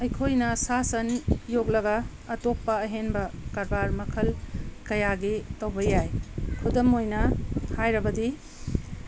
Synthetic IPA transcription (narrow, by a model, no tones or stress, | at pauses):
ɐjkʰojnɐsasɐnjok̚lɐɡɐː | tok̚pɐːɦenbɐkaɾbaɾmɐkʰɐlkɐjaɡetɐwbɐjajkʰudɐmojnɐhajɾɐbɐdi